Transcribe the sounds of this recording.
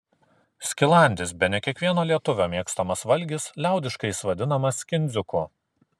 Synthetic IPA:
sʲkʲɪlˠɑˑnʲd̪ʲɪsbʲɛnʲɛkʲiɛkʋʲiɛnoːlʲiɛt̪ʊʋʲoːmʲiɛkst̪ɐmɐsʋɐlʲɡʲɪslʲæˑʊd̪ʲɪʃkɐɪsʋɐd̪ʲɪnɐmɐskʲɪnʲd̪zʲʊkʊ

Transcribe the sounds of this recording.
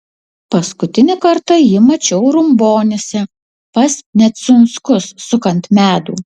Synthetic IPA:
pɐskʊt̪ʲɪnʲɪkɐɾt̪ɐjɪmɐt͡ʃʲɛʊɾʊmboːnʲɪsʲɛ | pɐsnʲɛt̪sʊnskʊsːʊkɐnt̪mʲæːd̪ṵː

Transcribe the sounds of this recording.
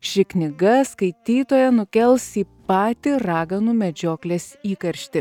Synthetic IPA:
ʃʲɪknʲɪɡɐskɐɪt̪ʲiːt̪oːjɛnʊkʲɛlˠsiːpɑːt̪ʲɪɾɑːɡɐnuːmʲɛd͡ʒʲoːklʲeːsiːkɐɾʲʃʲt̪ʲɪ

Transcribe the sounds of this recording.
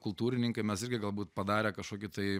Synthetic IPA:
kʊlˠt̪uːɾʲɪnʲɪŋkɐɪmʲɛsɪɾʲɡʲɪɡɐlˠbuːt̪̚pɐd̪ɑːɾʲeːkɐʃkoːkʲɪt̪ɐɪ

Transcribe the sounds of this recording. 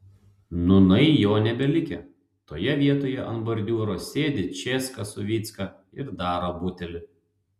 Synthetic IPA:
nʊnɐɪjoːnʲɛbʲɛlʲɪkʲɛ | t̪oːjɛʋʲiɛt̪oːjɛʔɐnbɐɾʲd̪ʲuːɾoːsʲeːd̪ʲɪt͡ʃʲeːskɐsʊʋʲiːt̪skɐ | ɪɾd̪ɑːɾoːbuːt̪ʲɛlʲɪ

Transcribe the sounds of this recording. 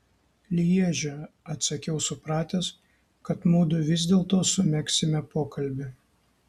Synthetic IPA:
lʲɪjiɛʒʲɛ | ɐt̪ʲsɐkʲɛʊsʊpɾɑːt̪ʲɛs | kɐt̪muːd̪ʊʋʲɪzʲd̪ʲeːlˠt̪oːsʊmʲɛksʲɪmʲɛpoːkɐlʲbʲɪ

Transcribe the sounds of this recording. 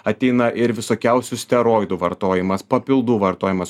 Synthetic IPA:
ɐt̪ʲɛɪnɐʔɪɾʋʲɪsoːkʲɛʊsʲʊsʲt̪ʲɛɾoːjd̪uʋɐɾt̪oːjɪmɐspɐpʲɪlˠd̪uːʋɐɾt̪oːjɪmɐs

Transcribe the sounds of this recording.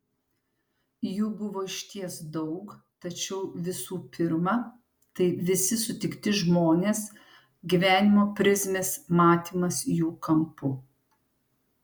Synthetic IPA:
juːbʊʋoːɪʃʲt̪ʲiɛsd̪ɒʊkt̪ɐt͡ʃʲɛʊʋʲɪsuːpʲɪɾmɑ | t̪ɐɪʋʲɪsʲɪsʊt̪ʲɪkt̪ʲɪʒmoːnʲeːs | ɡʲiʋʲæːnʲɪmoːpʲɾʲɪzʲmʲeːsmɑːt̪ʲiːmɐsjuːkɐmpʊ

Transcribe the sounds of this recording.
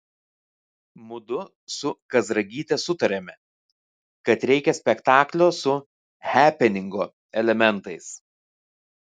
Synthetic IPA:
mʊd̪ʊ | sʊkɐzɾɐɡʲiːt̪ʲɛsʊt̪ɐɾʲɛmʲɛ | kɐt̪ɾʲɛɪkʲɛsʲpʲɛkt̪ɑːklʲoːsʊ | hʲæːpʲɛnʲɪŋɡoː | ɛlʲɛmʲɛnt̪ɐɪs

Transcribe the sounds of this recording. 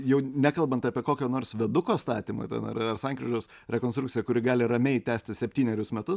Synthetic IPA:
jɛʊnʲækɐlˠbɐnt̪ɐːpʲiɛkoːkʲoːnoːrsʋʲɛd̪ʊkoːst̪ɑːt̪ʲiːmo̰t̪ʲɛ̰nɐ̰ɾɐrsɐŋkɾʲɪʒɐʊs | ɾʲɛkonst̪ɾʊk̪̚ʲt͡s̪ʲɪjɛkʊɾʲɪɡɑːlʲɪɾɐmʲɛɪt̪ʲæːsʲt̪ʲɪsʲɛpʲt̪ʲiːnʲɛɾʲʊsmʲɛt̪ʊs

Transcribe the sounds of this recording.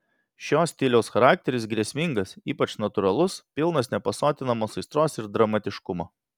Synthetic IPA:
ʃʲoːsʲt̪ʲɪlʲɛʊsxɐɾɑːk̚t̪ʲɛɾʲɪsɡɾʲiɛsʲmʲɪŋɡɐsiːpɐt͡ʃnɐt̪ʊɾɐlˠʊspʲɪlˠnɐsnʲɛpɐsoːt̪ʲɪnɐmoːsɐɪst̪ɾoːsɪɾd̪ɾɐmɐt̪ʲɪʃkʊmoː

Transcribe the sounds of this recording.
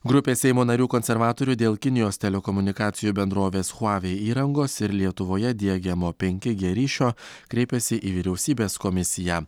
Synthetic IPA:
ɡɾʊpʲeːsʲɛɪmoːnɐɾʲuːkɔnʲsʲɛɾʋɑːt̪oːɾʲud̪ʲeːlˠkʲɪnʲɪjoːst̪ʲɛlʲɛkɔmʊnʲɪkɑːt̪sʲɪjuːbʲɛnd̪ɾoːʋʲeːsxʊɑːʋʲeiːɾɐŋɡoːsɪɾlʲiɛt̪ʊʋoːjɛd̪ʲiɛɡʲɛmoːpʲɛŋʲkʲɪɡʲiɾʲiːʃʲoː | kɾʲɛɪpʲɛsʲɪʔiːʋʲiːɾʲɛʊsʲiːbʲeːskɔmʲɪsʲɪjæ

